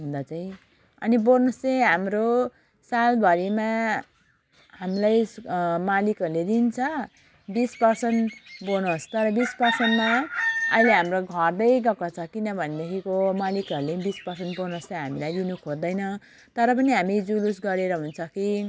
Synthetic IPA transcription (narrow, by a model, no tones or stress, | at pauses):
ɦũnd̪at͡saĩ | ʌ̰nibonost͡sʌɦamro | salbʱʌɾima | ɦamilajmalikʌɾuled̪int͡sʰʌ | bispʌrsʌnbonost̪ʌɾʌbispʌrsʌnmaʌileɦamroɡʱʌrd̪ʌjɡʌkot͡sʰʌkinʌbʱʌned̪ekʰikomalikʌɾulenbispʌrsʌnt̪̚bonostaɦamilajd̪inukʰod̪ʌjnʌ | t̪ʌɾʌp̬ʌniɦamid͡zulusɡʌɾeɾʌɦunt͡sʰʌki